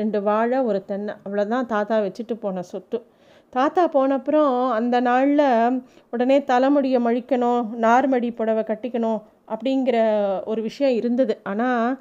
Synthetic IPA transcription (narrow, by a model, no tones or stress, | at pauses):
ɾɛɳɖɯʋaːɻɐɔɾɯt̪ɛɳːɐɐʋɐɭɐðɯt̪ãːt̪aːt̪aːʋɛt͡ʃːɯʈːɯpoːnɐsɔt̪ːɯ | t̪aːt̪aːpoːɳɐpːɯɾõɐnd̪ɐnaːɻlɐ | ɔɽɐneːt̪ɐlɐmɯɽɪjɐmɐɻɪkːɐɳʊ̃ːnaːɾmɐɽipːɔɽɐʋɐkɐʈːɪkːɐɳʊ̃ | ʔɐpːɐɽɪŋɡɪɾɐɔɾɯʋɪʂɐjɐ̃ɪɾɯnd̪ɐðɯʔaːnaː